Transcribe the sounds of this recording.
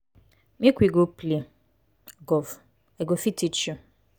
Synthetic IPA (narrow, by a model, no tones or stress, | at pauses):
mikʷiɡople | ɡɔv | eɡofitit͡ʃu